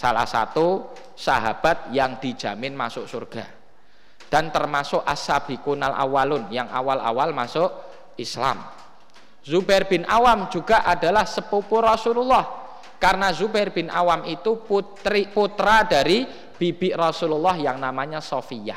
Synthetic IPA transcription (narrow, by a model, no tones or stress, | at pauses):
sala̰hsa̰t̪u | saɦab̥a̤t̪̚jaŋd̥̪i̤̥d͡ʒ̥a̤mɪnmasʊʔsurɡ̥a | d̥a̤nt̪ərmasʊʔasab̥i̤kunalʔa̰walʊnjaŋʔa̰wala̰walmasʊʔ | isla̰m | zubɛrb̥ɪnʔawamd͡ʒuɡ̥a̤ʔada̤lahsəpupʊrɔsululːɔh | karnazubɛrb̥ɪ̤nʔawamit̪uputɾiput̪ɾadaɾi | b̥ib̥ɪʔrɔsululːɔhjaŋnamaɲasɔfija̰h